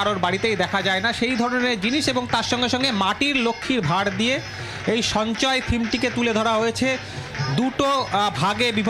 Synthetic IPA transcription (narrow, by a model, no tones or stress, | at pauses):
aɾoɾbaɽit̪ejd̪ɛkʰad͡ʑaenaʃejd̪ʱɔɾoneɾd͡ʑiniʃeboŋt̪aɾʃɔŋɡeʃɔŋɡemaʈiɾlokʰːiɾbʱaɽd̪ije | ejʃɔnt͡ɕɔet̪ʰimʈiket̪uled̪ʱɔɽaɦojet͡ɕʰe | d̪uʈobʱaɡebibʱ